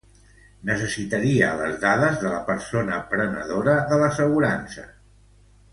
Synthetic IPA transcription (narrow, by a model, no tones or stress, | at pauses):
nəsəsit̪əɾiə̰lə̰zðaðəzðələpəɾsonəːmpɾənə̰ðoɾəðələsəɣuɾansə̰